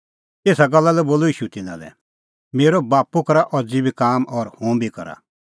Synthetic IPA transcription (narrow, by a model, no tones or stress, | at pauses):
eːsaɡɐlːalɛboːloiːʃut̪ɪnã̰lɛ̰ | meːɾɔbaːpukɐɾaʔɔd͡zibʱikaːmɔɾhũːbʱikɐ̰ɾa̰